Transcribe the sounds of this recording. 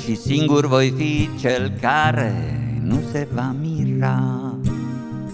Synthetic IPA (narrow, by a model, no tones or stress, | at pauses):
ʃisiŋɡuɾvɔjfit͡ʃːɛlkaɾɛ̰nusɛvamira